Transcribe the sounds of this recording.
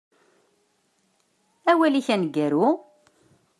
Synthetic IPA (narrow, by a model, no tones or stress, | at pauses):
æwæliçænɡːæɾu